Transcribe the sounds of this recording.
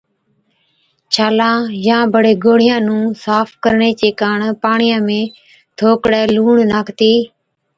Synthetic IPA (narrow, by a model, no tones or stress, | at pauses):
t͡ʃʰaːlãːjãːbəɽeːɡoːɽ̤ɪjãːnũːsaːfkəɾɳeːt͡ɕeːkaːɳpaːɳɪjãːmẽː | t̪ʰoːkɽɛːluːɳnaːkt̪iː